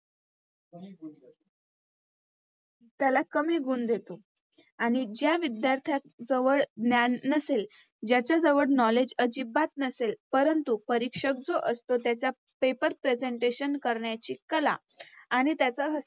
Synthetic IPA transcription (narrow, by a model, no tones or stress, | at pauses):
t̪jalakəmiːɡʱuːnd̪ʱet̪o | aɽ̃id͡ʑjaʋid̪jaɾt̪ʰjak̚d͡zəʋəɭnjanəsel | d͡ʑjat͡ɕjad͡zəʋəɽnɔled͡ʑəd͡ʑibat̪̚nəselpəɾənt̪upəɾikʂək̚d͡zoʔəst̪ot̪jat͡ɕja | pepəɾpɾed͡zeɳʈeɕənkəɾɳjat͡ɕiːkəla̰ː | ɽ̃it̪jat͡saɦə